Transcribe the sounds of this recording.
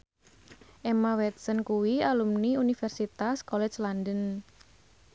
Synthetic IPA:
ʔɛmawɛt̪̚sənkuwialumniunifɛrsit̪askɔlɛd͡ʒlandən

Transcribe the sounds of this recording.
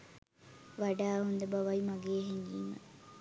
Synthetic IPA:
ʋaɖaːɦund̪əbɐʋɐjimaɡeːɦeɲɡiːmə̰

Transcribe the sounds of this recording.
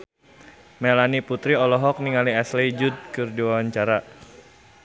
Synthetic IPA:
mɛlaniput̪ɾiɔlɔɦɔk̚niŋaliɛsled͡ʒud̪̚kɨrdiwawaɲt͡ʃaɾa

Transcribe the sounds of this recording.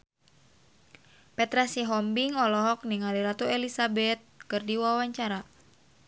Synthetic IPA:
pɛt̪ɾasiɦɔmbiŋɔlɔɦɔk̚niŋaliɾat̪uelisabɛt̪̚kɨrdiwawaɲt͡ʃaɾa

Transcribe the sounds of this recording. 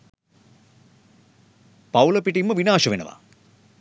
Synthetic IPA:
pawlɐpiʈimːəʋinaːʃɐʋenɐ̰ʋa̰

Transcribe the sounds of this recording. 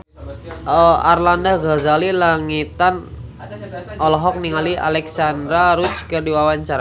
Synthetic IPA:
əa̰rlandaɡazalilaŋit̪an | ɔlɔɦɔk̚niŋalia̰lɛksandɾaɾut͡ʃkərdiwawaɲt͡ʃaɾa

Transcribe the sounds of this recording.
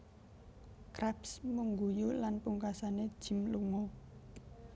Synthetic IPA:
kɾɛpsmuŋɡujulanpuŋkasaned̥ʒ̥i̤mluŋo

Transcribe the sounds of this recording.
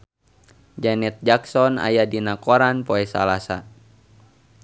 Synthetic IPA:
d͡ʒanɛt̪̚d͡ʒaksɔna̰jadinakɔɾanpɔɛsa̰lasa̰

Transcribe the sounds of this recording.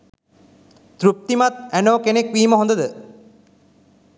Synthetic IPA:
t̪ɾup̚t̪imat̪̚ænoːkenekʋiːməɦond̪əd̪ə

